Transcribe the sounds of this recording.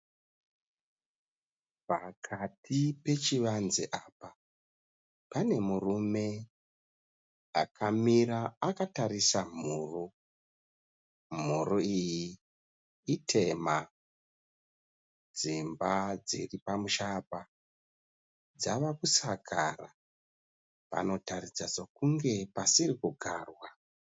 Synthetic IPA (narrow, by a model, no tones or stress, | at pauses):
pakʰatʰipe̞t͡ʃiʋanzeʔapa | pane̞murume̞ | akʰamiɾaakatarisam̤uːro | m̤uɾoijiː | tʰe̞ma | d͡zimbad͡ziripamuʃapa | d͡zaʋakusaɡʰʱara | pa̰no̞tarid͡zazokuŋɡe̞pasirikuɡʱaːrwa